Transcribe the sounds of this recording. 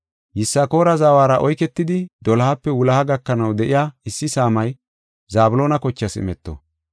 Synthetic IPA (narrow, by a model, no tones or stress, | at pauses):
jɪsːɐko̞ːɾɐzaːwaːɾɐʔɔjkɛt̪ːɪd̪ɪd̪ɔlɐhɐpːɛwʊlɐhɐɡɐkːɐnɐwd̪ɛʔɪjaːɪsːɪsaːmɐj | zaːbʊlo̞ːnɐkɔt͡ʃːɐsɪ̰mɛt̪ːɔ̰